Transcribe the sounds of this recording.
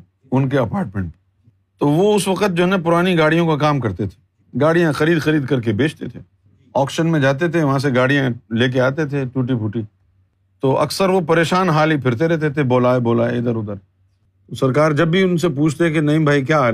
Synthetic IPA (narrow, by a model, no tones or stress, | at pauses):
ʊnkeɐpaːɾʈ̚mẽɳʈ | t̪oːʋoʊsʋɐqət̪̚d͡ʒoːɦnãpʊɾaːniɡaːɽ̤ijõkakaːmkɐɾt̪et̪ʰe̥ | ɡaːɽijãxɐɾiːd̪xɐɾiːd̪kɐɾkebeːt͡ʃʰt̪et̪ʰeː | ɔːkʃənmẽd͡ʒaːt̪̬et̪ʰeʋɐɦãs̬eɡaːɽijãleːk̬eaːt̪et̪ʰeʈuːʈipʰuːʈi | t̪oːʔɐ̰ksəɾʋopɐɾeːʃaːnɦaːlipʰɪɾt̪eɾɛɦt̪et̪ʰeboːlaːeboːlaːeɪd̪əɾʊd̪əɾ | t̪osɐɾkaːɾd͡ʒɐbːiʊnsepuːt͡ʃʰt̪ekenɐĩbʱaːikjaː